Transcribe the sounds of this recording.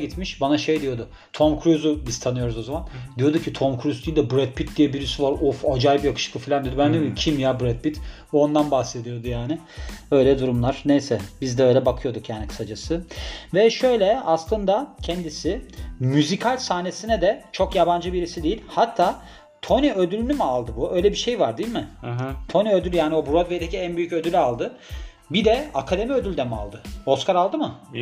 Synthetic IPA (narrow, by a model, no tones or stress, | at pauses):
it̪miʃbanaʃe̞jd̪ijo̞d̪ʊ | t̪ʰo̞mkʰɾyzubiz̥t̪ʰanɯjo̞ɾuzo̞zamand̪ijo̞d̪ucʰit̪ʰo̞mkʰɾyzd̪iild̪ɛbɾɛt̪̚pʰit̪̚d̪ijɛbiɾysyvaɾʔufad͡ʒajbijakʰɯ̥ʃɯ̥klˠɯfilʲand̪ijd̪bænd̪icʰimjabɾɛt̪̚pit̪ | uond̪anbahsed̪ijo̞d̪ujaːnɪ | ø̞jlʲɛd̪uɾumlˠaɾ̥nejsɛbizd̪ɛø̞jlʲɛbakʰɯjo̞d̪ukjaːnikʰɯ̥sad͡ʒasɯvɛʃø̞jlʲɛaslˠɯnd̪acʰɛnd̪isɪmyzikʰalʲsaːne̞sinɛd̪ɛt͡ʃʰo̞kjaband͡ʒɯbiɾisid̪ejilʲhat̪ʰːaː | t̪ʰo̞niød̪ylʲynymialˠd̪ɯbuø̞jlʲɛbiʃe̞jvaɾd̪ijilʲmɪɦt̪ʰo̞niød̪ylʲjaːniobuɾod̪vejd̪eciænbyjycø̞d̪ylʲalˠd̪ɯ | bid̪ɛa̰kʰad̪e̞miø̞d̪ylʲd̪ɛma̰lˠd̪ɯo̞skaɾalˠd̪ɯmɯ